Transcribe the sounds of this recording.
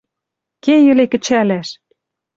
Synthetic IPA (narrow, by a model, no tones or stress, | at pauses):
kejɘ̆lekɘ̆t͡ɕælæʃ